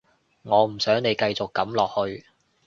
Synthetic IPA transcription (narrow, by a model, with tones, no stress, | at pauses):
ŋɔː˨˧m̩˨˩sœː˨˥ŋne˨˧jkɐ˧jt͡sʊ˨kːɐ˨˥mlɔː˨k̚hɵ˧ɥ